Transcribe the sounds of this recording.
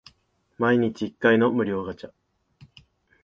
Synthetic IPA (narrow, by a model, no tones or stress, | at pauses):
maiɲ̟it͡ɕiːkːaino̞mɯ̟ɾʲo̞ːɡat͡ɕa